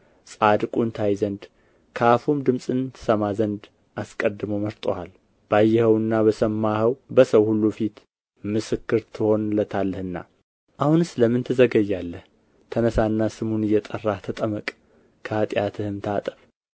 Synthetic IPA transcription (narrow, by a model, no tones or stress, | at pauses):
sʼad̪kʼunt̪ʰajzənd̪ | kʰəafumd̪ɨmsʼɨnt̪ʰɨ̥səmazənd̪ | ʔaskʼəd̪ːɨmoməɾt̪ʼohal | b̥ajːɛhəwɨnːaβəsəmːahəwbəsəwhulːufit̪ | mɨsɨkːɨɾt̪ʰɨho̞nlət̪ʰalːəhɨnːa̰ | ʔahunɨsləmɨnt̪ʰɨzəɡəjːalːəh | t̪ʰənəsanːasɨmunɨjːɛt̪ʼərːat̪ʰət̪ʼəməkʼ | kʰəat̪ʼjat̪ʰɨhɨmt̪ʰat̪ʼə̥f